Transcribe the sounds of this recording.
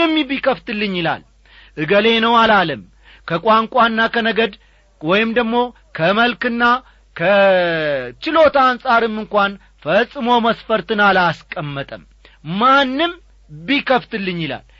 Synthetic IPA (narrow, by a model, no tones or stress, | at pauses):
ɛmːibikəft̪ɨlːɨɲːɪla̰l | ʔɨɡəle̞nəwalaləm | kʰəkʷʼwaŋkʷʼanːakʰənəɡəd̪ | wɔjɪmd̪əɡmo̞ | kʰəməlkɨnːa | kʰə | t͡ʃɪlo̞t̪ansʼaɾɨmːɨŋkʷan | fəsʼːɨmoməsfəɾt̪ɨnalaskʼəmːət̪ʼəm | manːɨm | bikʰəft̪ɨlːɨɲːɪla̰l